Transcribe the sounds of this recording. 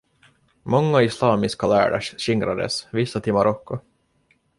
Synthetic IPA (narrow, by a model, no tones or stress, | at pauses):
mɔŋːaɪslɑːmɪskalæ̰ːɖa̰ʂɕɪŋɾad̪ə̰svɪsːat̪ʰɪmaɾɔkːʊ